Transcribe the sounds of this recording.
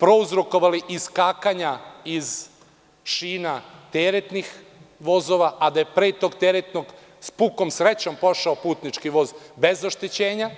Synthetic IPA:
pɾo̞uzɾoko̞ʋaliʔiskaːkaɲaiz | ʃiːnat̪eɾet̪nixʋo̞zoʋaʔad̪ajepɾet̪oɡt̪eɾet̪noɡ | spuko̞msɾet͡ɕo̞mpo̞ʃaopuːt̪nit͡ʃkiʋo̞ːzbe̞zoʃt̪it͡ɕeːɲa

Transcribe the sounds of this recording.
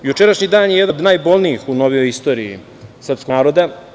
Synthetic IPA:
jut͡ʃeɾaʃɲid̪aːnjejed̪ad̪naːjbolˠniixunoʋijojist̪o̞ːɾiḭ | sr̩pskaːɾo̞d̪a

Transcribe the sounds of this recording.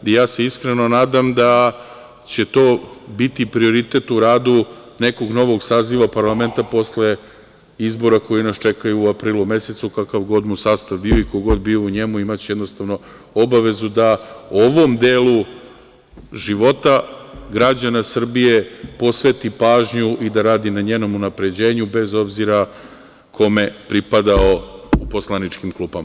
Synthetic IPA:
jaːse̞iskɾeno̞naːd̪amd̪a | t͡ɕe̞t̪o̞ːbit̪ipɾio̞ɾit̪et̪uɾaːd̪u | ne̞ko̞ɡno̞ʋo̞ɡsaːziʋapaɾlˠame̞nt̪apo̞sle̞ | izbo̞ɾako̞jinast͡ʃe̞kajuːapɾiːlume̞se̞t̪sukakaʋɡo̞d̪musaːst̪aʋbioikoɡo̞d̪biouɲe̞muimat͡ɕejed̪nost̪aʋno̞ | obaʋe̞zud̪aoʋo̞md̪eːlˠu | ʒiʋo̞t̪aɡɾad͡ʑanasr̩bije̞po̞sʋe̞t̪ipaːʒɲuʔid̪aɾaːd̪inaɲeːno̞munapɾe̞d͡ʑe̞ːɲube̞zo̞bziɾa | kʰo̞me̞pɾipad̪ao̞uposlˠanit͡ʃkimklˠuːbama

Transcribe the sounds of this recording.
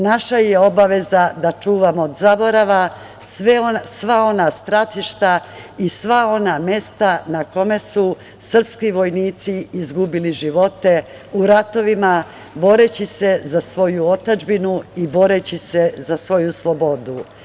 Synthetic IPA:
naʃaje̞o̞baʋe̞zad̪at͡ʃuːʋamoːd̪zabo̞ɾaʋa | sʋesʋao̞nast̪ɾat̪iʃt̪a | isʋao̞namje̞st̪anako̞me̞su | sr̩pskiʋo̞jniːt̪siizɡubiliʒiʋo̞t̪e̞ | uɾat̪o̞ʋima | bo̞ɾet͡ɕise̞zasʋo̞juo̞t̪ad͡ʒbinuibo̞ɾet͡ɕise̞zasʋo̞juslˠo̞bo̞d̪u

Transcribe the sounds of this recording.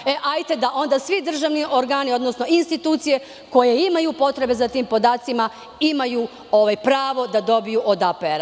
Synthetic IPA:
eʔajt̪e̞d̪aʔo̞nd̪asʋid̪r̩ʒaʋniʔo̞ɾɡaːnio̞d̪nosno̞inst̪it̪uːt̪sije̞ | ko̞je̞imajupo̞t̪ɾe̞be̞zat̪iːmpo̞d̪aːt̪sima | imaju | o̞ʋajpɾaːʋo̞d̪ad̪o̞bijuʔod̪apeeɾa

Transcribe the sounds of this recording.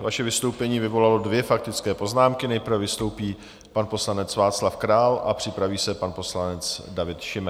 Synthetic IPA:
vaʃɛvɪst̪owpɛɲiːvɪvo̞lalo̞dvjɛfak̚t̪ɪt͡skɛːpo̞znaːmkɪnɛjprɾ̩vɛvɪst̪o̞wpiː | panpo̞slanɛt͡svaːt̪t͡slafkɾaːlʔa̰pr̥ɪpɾaviːsɛpanpo̞slanɛt͡sdavɪt̪ʃɪmɛ

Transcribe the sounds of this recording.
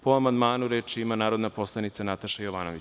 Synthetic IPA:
poamand̪maːnuɾet͡ʃiimanaːɾod̪napo̞slˠanit̪sanat̪aʃajoʋanoʋit͡ɕ

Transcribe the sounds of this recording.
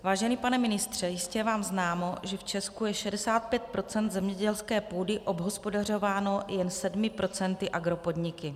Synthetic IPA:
vaːʒɛniːpanɛmɪnɪst̪r̝̥ɛjɪscɛvaːmznaːmo̞ʒɛft͡ʃɛskujɛʃɛdɛsaːt̪̚pjɛt̪̚pɾo̞t͡sɛnd̪zɛmɲɛɟɛlskɛːpuːdɪʔo̞bɦo̞spo̞dar̝o̞vaːno̞jɛnsɛdmɪpɾo̞t͡sɛnt̪ɪʔaɡɾo̞po̞dɲɪkɪ

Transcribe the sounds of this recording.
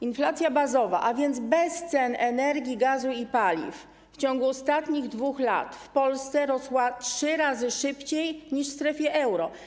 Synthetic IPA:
inflat̪sʲjabazɔva̰ʔavʲjɛnd̪zbɛst̪sɛnɛnɛɾɡʲiɡazuipalʲḭf | ft͡ɕɔŋɡuɔst̪at̪ɲiɣd̪vuxla̰t̪fpɔlst̪sɛɾɔswatʂɘɾazɘʂɘpt͡ɕejɲiʂst̪ɾɛfʲjɛʔɛwɾɔ

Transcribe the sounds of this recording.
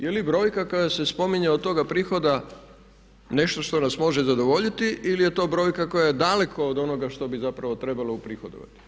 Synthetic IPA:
jelibɾo̞ːjkakojase̞spo̞miɲeod̪t̪o̞ɡapɾixo̞d̪a | ne̞ʃt̪o̞ʃt̪o̞nasmo̞ʒɛzad̪o̞ʋo̞ʎit̪iʔilije̞t̪o̞ːbɾo̞ːjkako̞jajed̪ale̞kʰo̞ːd̪o̞no̞ɡaʃt̪o̞bizapɾaʋo̞t̪ɾe̞baloupɾixod̪o̰ʋa̰t̪i̥

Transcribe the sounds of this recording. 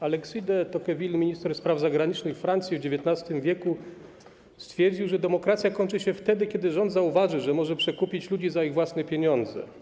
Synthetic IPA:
alɛksijd̪ɛt̪ɔkɛvʲilmʲiɲist̪ɛɾspɾavzaɡɾaɲit͡ʂnɘxfɾant̪sʲjivd͡ʑevʲjɛt̪nast̪ɘmvʲjɛku | st̪fʲjɛɾd͡ʑiwʐɛd̪ɛmɔkɾat̪sʲjakɔɲʲt͡ʂɘɕɛft̪ɛd̪ɘkʲjɛd̪ɘʐɔnd̪zauvaʐɘʐɛmɔʐɛpʂɛkupʲit͡ɕlud͡ʑizaiɣvwasnɛpʲjeɲɔnd̪zɛ̰

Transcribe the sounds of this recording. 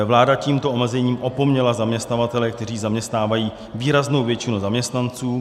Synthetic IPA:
vlaːdaciːmt̪oʔomɛzɛɲiːmʔo̞po̞mɲɛlazamɲɛst̪navat̪ɛlɛk̚t̪ɛriːzamɲɛst̪naːvajiː | viːɾazno̞wvjɛt͡ʃɪnuzamɲɛst̪nant͡suː

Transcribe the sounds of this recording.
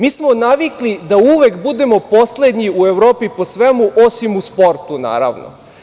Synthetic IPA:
miːsmonaʋiklid̪auʋekbud̪e̞mo̞po̞sled̪ɲiueʋɾo̞ːpipo̞sʋemuʔo̞simuspo̞ɾt̪una̰ːɾa̰ʋno̰

